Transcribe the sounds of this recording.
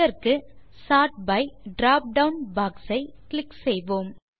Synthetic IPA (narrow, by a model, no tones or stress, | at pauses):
ɐɾkɯ | saːʈ̚bɐɪɖɾaːp̚ɖɐʊnbaːksɐɪklɪksɛjʋoːm